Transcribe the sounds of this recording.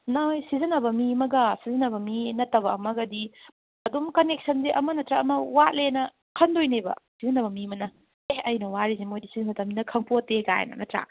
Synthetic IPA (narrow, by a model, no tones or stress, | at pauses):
najsizɐnɐbɐmimɐɡɐsizɐnɐbɐminɐtːɐbɐmɐɡɐdi | ɐdomkɐnek̚sɐnzeʔɐmɐnɐtɾaɐmɐwatlenɐ | kʰɐndojnebɐ̰sizɐnɐbɐmimɐnɐ | ehɐjnɐwaɾizemojdisizɐnɐtɐminɐkʰɐŋpoteɡa̰j̰nɐ̰nɐtɾa̰